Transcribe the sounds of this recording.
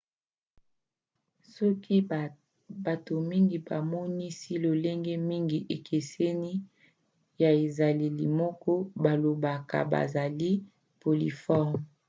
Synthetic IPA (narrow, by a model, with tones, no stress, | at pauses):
sɔ˦ki˦ | ba˨to˨mi˦ŋɡi˨ba̰˨mɔ˦ni˦si˦lo˨le˦ŋɡɛ˦mi˦ŋɡi˨ʔe˨kʰe˨se˦ni˦ | ja˨e˨za˨li˨lḭ˨mɔ˦kɔ˦ba˨lo˨ba˨ka̰˨ba̰˨za˨li˦ | po˨lḭ˨fɔ˦˨ʁm